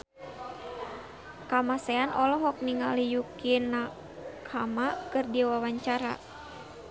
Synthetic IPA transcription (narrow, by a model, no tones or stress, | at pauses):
kamasɛanʔɔlɔɦɔk̚niŋalijukinːa | kʰamakɨrdiwawaɲt͡ʃaɾa̰